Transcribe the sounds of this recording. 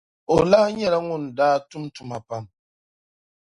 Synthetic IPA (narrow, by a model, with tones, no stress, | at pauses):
o˨la˦ɲɛ˦ɾa˦ŋu˦˨ndaː˦tu˦mtu˨ma˨pa˦˨m